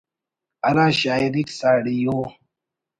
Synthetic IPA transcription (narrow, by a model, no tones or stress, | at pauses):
aɾaʃaiɾiksaɽijo